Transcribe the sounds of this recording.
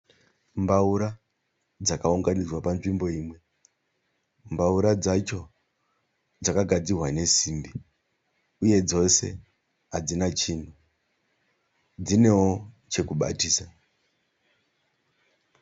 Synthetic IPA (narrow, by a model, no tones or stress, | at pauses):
mbauɾa | d͡zakauŋɡanid͡zwapanʐimbo̞iːmwe̞ | mbauɾad͡zat͡ʃo̞ | d͡zakaɡʱad͡zirwane̞siːmbi | uje̞d͡zo̞se̞̰ | ɦad͡zinat͡ʃiːn̤u | d͡zine̞wo̞ | t͡ʃe̞kuɓa̰tiːsa